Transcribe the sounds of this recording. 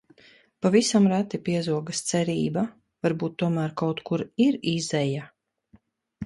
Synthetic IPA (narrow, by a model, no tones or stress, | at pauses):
pavisamɾæt̪ipiɛzuɔɡast̪sɛɾiːba | vaɾbuːt̪ːuɔmæːɾkawt̪kʰuɾiɾizɛja